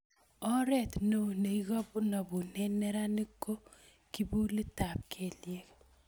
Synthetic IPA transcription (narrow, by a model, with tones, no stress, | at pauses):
ɔ˦ɾɛ˦˨t̪no˨ne˨i˦ɣɔ˦bʊ˦nɔ˨bu˨nɛ˦nɛ˦ɾa˦nɪ˦ko˦ | ki˦bu˦li˦ta˨p̚kʰe˨lje˦k